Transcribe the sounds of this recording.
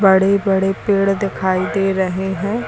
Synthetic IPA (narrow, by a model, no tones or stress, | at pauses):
bəɽebəɽepeːɽd̪ɪkʰaːid̪eːɾəɦeɦɛ̃ː